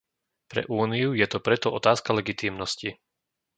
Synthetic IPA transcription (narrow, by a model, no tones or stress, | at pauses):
pɾɛ̰ʔuːnijujɛt̪ɔpɾɛt̪ɔʔɔt̪aːskalɛɡit̪iːmnɔsci